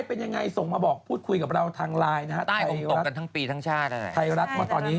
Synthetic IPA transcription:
jpe˧nja˧ŋːa˧jso˨˩ŋmaː˧bɔː˨˩k̚pʰuː˥˩t̪̚kʰu˧jka˨˩pɾa˧wt̪ʰaː˧ŋɾaː˧jna˦˥kʰa˦˥t̪aː˥˩jojmɾo˨˩a˦˥tka˧nt̪ʰːŋpiː˧t̪ʰa˦˥ŋt͡ɕʰaː˥˩t̪̚ːt̪ʰa˧jɾa˦˥t̪̚mɯ˥˩t̪ɔː˧nːiː˦˥

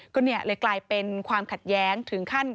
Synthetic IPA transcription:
kʰɔː˧nːi˥˩ɐleː˧˩klaː˧jpe˧nkʰwaː˧mkʰa˨˩t̪̚jɛː˦˥ŋt̪ʰɯ˩˦ŋkʰa˥˩n

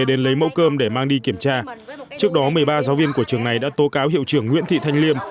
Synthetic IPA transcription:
e˩ɗe˨˦nlə˨˦jmə̰˧˥wkəː˧mɗe˧˩maː˧ŋɗi˧ki˧˩əmt͡ɕaː˧t͡ɕɨ˦˥ək̚ɗɔ˨˦mɨ˨˩əjɓaː˧zaː˨˦wvi˧ənku˧˩ət͡ɕɨ˨˩əŋna˨˩jɗa̰ː˧˥t̪o˨˦kaː˨˦wɦḭ˧˨əwt͡ɕɨ˧˩əŋːwḭ˧˥ənt̪ʰḭ˧˨t̪ʰa˧jŋ̟li˧əm

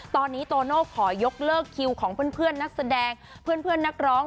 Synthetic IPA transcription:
t̪ɔː˧nːiː˦˥t̪oː˧noː˥˩kʰɔː˩˦jo˦˥k̚lɤː˥˩kʰi˧wkʰɔː˩˦ŋpʰɯ˥˩ənpʰɯ˥˩ənːa˦˥k̚sa˧dɛː˧ŋ | pʰɯ˥˩ənpʰɯ˥˩ənːa˦˥k̚ɾɔː˦˥ŋ

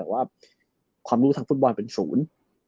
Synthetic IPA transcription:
ɛː˨˩waː˥˩ | kʰwaː˧mɾuː˦˥t̪ʰa˦˥fuː˥˩t̪̚bɔː˧npe˧nsuː˩˦n

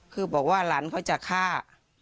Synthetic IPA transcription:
kʰɯː˧˩bɔː˨˩k̚waː˥˩laː˩˦˥nkʰa˧˩wt͡ɕa˨˩kʰaː˥˩

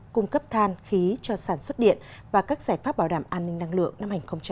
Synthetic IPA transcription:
kʊ˧ŋ͡mkə˦˥p̚t̪ʰaː˧nxi˨˦t͡ɕɔ˧saː˧˩nswə˦˥t̚ɗḭ˧˨ənvaː˨˩kaː˦˥k̚zaː˧˩jfaː˦˥p̚ɓaː˧˩wɗaː˧˩mʔaː˧nːï˧ŋ̟na˧ŋlɨ̰˧˨əŋ̚na˧mha˨˩ŋ̟xə˧wŋ͡mt͡ɕ

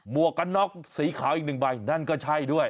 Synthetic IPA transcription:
mu˨˩əkːa˧˥nːɔ˦˥k̚siː˨˩˦kʰaː˩˦wʔi˨˩k̚nɯ˨˩ŋba˧jna˥˩nkɔː˥˩t͡ɕʰa˥˩jdu˥˩əj

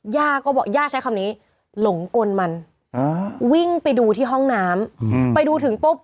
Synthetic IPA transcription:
jaː˥˩kɔː˥˩bɔː˨˩k̚jaː˥˩t͡ɕʰa˦˥jkʰa˧mniː˦˥ | lo˩˦ŋko˧nma˧n | a˧wi˥˩ŋpa˧jduː˧t̪ʰiː˥˩ɦɔ˥˩ŋnaː˦˥mpa˧jduː˧t̪ʰɯ˩˦ŋp̪o˦˥p̚

